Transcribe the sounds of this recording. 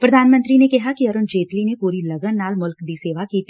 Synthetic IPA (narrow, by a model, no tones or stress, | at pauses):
pɾɐd̪ʱaːnmə̃nt̪ɾinekɛɦakiɐɾʊnd͡ʒeːt̪linepuːɾilɐɡəɽnaːlmʊlkd̪iseːʋakiːt̪iː